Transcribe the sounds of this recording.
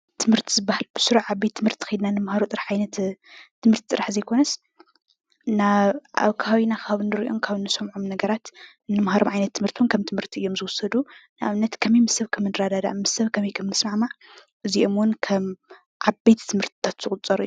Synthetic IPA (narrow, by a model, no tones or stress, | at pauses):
t̪ʰɨmhɨɾt̪ʰizɨbːahalb̥ɨsɨɾuħʕabːet̪ʰːɨmhɨɾt̪ʰi̥xɐjd̪nanɨmhaɾot̪ʼɨɾaħʕajnɐt̪ʰːɨmɨɾt̪ʰi̥t̪ʼɨɾaħzɐjkʰo̞nɐs | naβʔa̰βkʰaaβinakʰaβnɨɾiʔomkʰaβɨnːɨsɐmʕomnɐɡɐɾat̪ | nːɨmhaɾomʕajnɐt̪ʰːɨmhɨɾt̪ʰiwunkʰɐmt̪ʰɨmhɨɾt̪ʰiɨjːo̞mzɨwʊsːɐd̪unɨʔa̰βnɐt̪kʰɐmejmɨsɐβkʰɐmɨnɨɾad̪ad̪a̰mɨsːɐβkʰɐmejkʰɐmnɨsmaʕmaʕ | ʔɨziʔo̞mwʊnkʰɐm | ʕabet̪t̪ʰːɨmhɨɾt̪ʰi̥t̪ʰat̪zɨkʼʊt͡sʼːɐɾṵju